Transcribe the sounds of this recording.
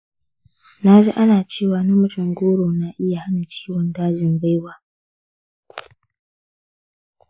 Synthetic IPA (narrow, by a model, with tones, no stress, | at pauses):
na˦d͡ʒḭ˦ʔa˦naː˨t͡ʃeː˦˨waː˨nɐ˦mʊ˨˦tʊ˨ŋɡʷoː˦ɽoː˨na˨ʔɪ˦ja˨ha˦na˨t͡ʃi̥ː˦wɔ˨ndaː˦d͡ʒɪ˨nba˦jwaː˦